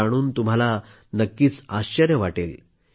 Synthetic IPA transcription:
aɽ̃uːnt̪um̤ala | nəkːiːt͡saɕt͡ɕəɾjəʋaʈel

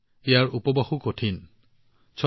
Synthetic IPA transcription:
ejaɹupɔbaxukotʰin | t͡ʃʰɔ

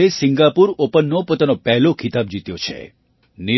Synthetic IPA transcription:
esiŋɡapuɾopənːopot̪anopɛɦlokʰit̪abd͡ʒit̪jot͡ʃʰḛ | ni

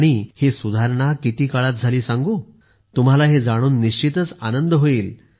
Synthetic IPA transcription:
aɽ̃ihesud̪ʱaɾɳ̃akit̪iːkaɭat̪̚d͡zʱaliːsãŋɡuː | t̪um̤alaɦed͡zaɽ̃uːnːiɕt͡ɕit̪ət͡sa̰nənd̪əɦoiːl

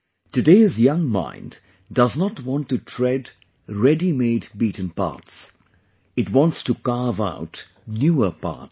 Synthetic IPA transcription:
tɨdeɪzjʌ̃ŋmã̰ɪ̃nd | dʌznətwɔ̃ntːutʰɹɛd | ɹɛdimeɪdbiːtn̩pa̰ːts | ɨtwɔ̃ntstukaɹva̰ʊt | njuːəpa̰ɹt

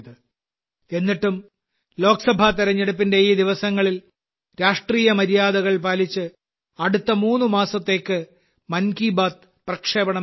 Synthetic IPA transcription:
ðɨ | e̞nːiʈːum | lo̞ːksɐbʱat̪iɾɐɲːeɽupːinde̞iːd̪iʋɐsɐŋːɐɭil | ɾaːʂʈriːjɐmɐɾijaːd̪ɐɣɐɭpaːlit͡ɕːɨ | ɐɽut̪ːɐmuːnːumaːsɐt̪ːe̞ːkːɨ | mɐnkiːbaːt̪̚ | prɐkʂeːbɐɳɐ

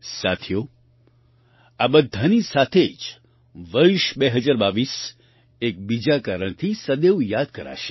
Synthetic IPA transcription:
sa̰t̪ʰjo | abəd̪ʱːanisat̪ʰed͡ʒ | ʋəɾʃbeɦəd͡ʒaɾbaʋis | ek̚bid͡ʒakaɾəɽ̃t̪ʰisəd̪eʋjad̪̚kəɾa̰ʃe̥

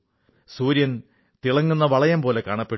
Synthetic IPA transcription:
suːɾjɐn | t̪iɭɐŋːunːɐʋɐɭɐjɐmpo̞ːle̞kaːɳɐpːe

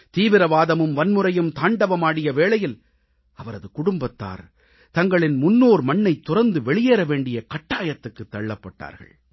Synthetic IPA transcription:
t̪iːʋɪɾɐʋaːðɐmɯmʋɐnmɯɾɐjɯmt̪aːɳɖɐʋɐmaːɽɪjɐʋeːɭɐjɪl | ɐʋɐɾɐðɯkʊɽʊmbɐt̪ːa̰ːɾ | t̪ɐŋɡɐɭɪnmʊnːoːɾmɐɳːɐɪt̪ːʊrɐnd̪ɯʋɛɭɪjeːɾɐʋeːɳɖɪjɐkɐʈːaːjɐt̪ːɯkːɯt̪ːɐɻɯːɐpːɐʈːa̰ːɾɣɐ̰ɭ

